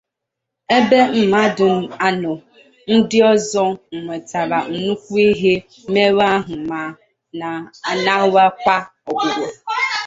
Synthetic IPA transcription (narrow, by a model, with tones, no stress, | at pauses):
e˦be˦m̩˨ma˦dʊ˨m̩˦a˨nʊ˨ | n̩˦dɪ˦ɔ˦zɔ˦ŋ̩˨ŋʷe˨ta˨ɾa˨n̩˨nu˦kʷu˦i˦ɦe˦ | me˦ɾa˦ɦʊ˨ma˨ | na˨na˦wa˦ka˦ɔ˨ɡʷʊ˨ɾo˨